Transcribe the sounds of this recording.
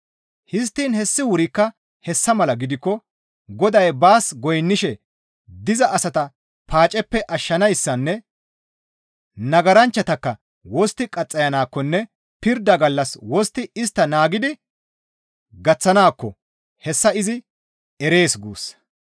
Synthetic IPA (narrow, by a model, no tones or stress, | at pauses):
hɪs̬t̪ːiːnhɛsːɪwʊɾɪkːɐ | hɛsːɐmɐlɐɡɪd̪ɪkːɔ | ɡɔd̪ɐjbaːsɡɔjnːɪʃɛ | d̪ɪzɐʔɐsɐt̪ɐ | pʰaːt͡ʃʼɛpːɛʔɐʃːɐnɐjsːɐnːɛ | nɐɡɐɾɐnt͡ʃːɐt̪ɐkːɐ | wɔst̪ːɪkʼɐt͡sʼːɐjɐnaːkːɔnːɛ | pɪɾd̪ɐɡɐlːɐswɔst̪ːɪɪst̪ːɐnaːɡɪd̪ɪ | ɡɐt͡sːɐnaːkːɔ | hɛsːɐɪzɪ | ɛɾe̞ːsɡṵːs